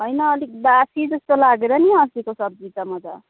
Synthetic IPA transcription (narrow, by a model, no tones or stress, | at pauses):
ɦʌjnʌːlik̚d̪asid͡zʌst̪olaɡeɾʌniʌsikosʌb̚d͡zit͡sʌmʌd͡za̰